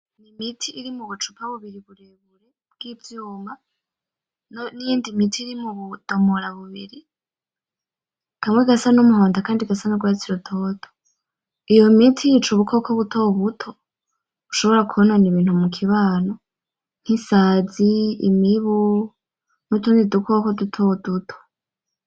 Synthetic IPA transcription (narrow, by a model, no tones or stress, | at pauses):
nimitʰiːɾimuβut͡ʃu̥pʰaβuβiɾiβuɾeβuɾe | bɡ̥ivjuːmba | nonijiːndimitʰiːɾimuβud̥omoɾaβuβiɾi | kʰamŋweɡasanumuɦo̞ːndakaːndiɡasanuɡwaːt͡siɾutʰoːtʰo̥ | ijo̞mitʰijit͡ʃuβukʰokʰoβutʰoβutʰo | βuʃo̞βo̞ɾakʰuβononiβiːn̥humukʰiβaːno | n̥hisaːziːmiβu | nutundidukʰokodutʰodutʰo̥